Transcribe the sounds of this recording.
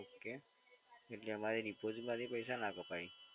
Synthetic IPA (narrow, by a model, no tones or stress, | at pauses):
okːe | eʈliamaɾenipod͡ʑimad̪ipəjsanakɔpai